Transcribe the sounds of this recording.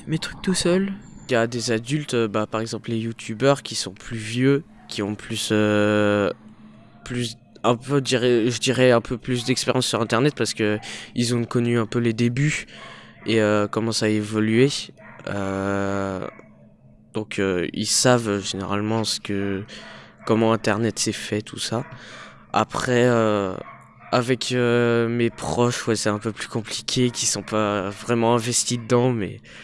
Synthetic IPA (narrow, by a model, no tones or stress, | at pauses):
met̪χyk̚t̪usœlljad̪ezad̪ylt̪øbapaʁɛɡzɑ̃plejut̪ʰybœʁkʲisɔ̃plyvjø | kʲiɔ̃plysø | plys | ɛ̃pød̪iʁɛʒəd̪iʁɛɛ̃pʰøplys̬d̪ɛkspeʁjɑ̃sːyʁɛ̃t̪ɛʁnɛt̪̚paʁsə̥kəilzɔ̃kɔnyɛ̃pøled̪eby | eøkɔmɑ̃saevɔlyeø̰ | d̪̥ɔ̃kʰøḭlsavʒeneʁalmɑ̃sə̥kə | kɔmɑ̃ɛ̃t̪ɛʁnɛt̪sɛfɛt̪ʰu̥sa | a̰pχɛø | avɛkʰømepχɔʃwɛsɛt̪ɛ̃pøplykɔ̃plikʲʰekʲisɔ̃pavʁɛmɑ̃ɛ̃vɛst̪id̪əd̪ɑ̃mɛ̰